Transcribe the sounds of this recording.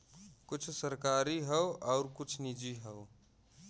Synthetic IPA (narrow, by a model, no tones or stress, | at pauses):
kʊt͡ʃʰsəɾkaːɾiɦɛoɔːɾkʊt͡ʃʰnid͡ʒiɦɛo